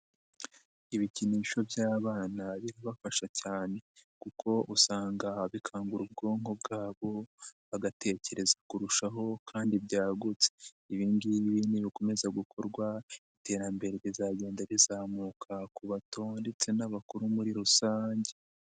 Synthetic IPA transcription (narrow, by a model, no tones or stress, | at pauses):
iβiciniːʃo̞bjaːβaːnaβiɾiβafaʃacaːne̞kukʰo̞ʔusaːŋɡaβikʰaːŋɡuɾub̚ɡo̞ːŋho̞bɡaːβo̞βaɡate̞ce̞ɾe̞zakuɾuʃaɦo̞kʰaːndibjɟaːɡut͡se̥ | iβiːndiβiniβiko̞me̞zaɡukʰo̞ɾɡwaite̞ːɾambe̞ɾeβizaɟe̞ːndaβizaːmukʰakuβato̞ːnde̞t͡se̞naβakuɾumuɾiɾusaːɲɟe